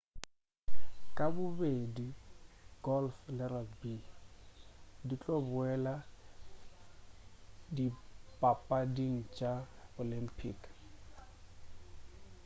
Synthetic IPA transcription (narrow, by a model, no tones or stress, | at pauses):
kʼabʊbediɡɔlflɛɾalbi | dit͡ɬʼɔbʊɛla | dipʼapʼadiŋ̩t͡ʃʼaolimpʰʼik